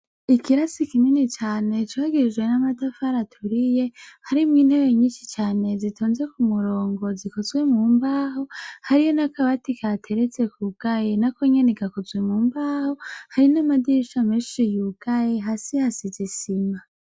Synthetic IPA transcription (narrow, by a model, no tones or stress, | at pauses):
ikʰiɾasikiminit͡ʃaːne̞t͡ʃwaɡiɾid͡ʒɡwe̞namadafaɾatʰuɾije̞haɾimŋiːn̥heweɲiːnʃit͡ʃaːne̞zitʰoːnze̞kumuɾo̞ːŋɡo̞zikozwe̞mumbaːho̞haɾijonakʰaβatikʰatʰe̞ɾet͡se̞kʰuɡ̥ajenakoɲe̞neɡakozwemuːmbaːhohaɾinamadiʃameːʃijuɡ̥aje̞ɦasihasizisima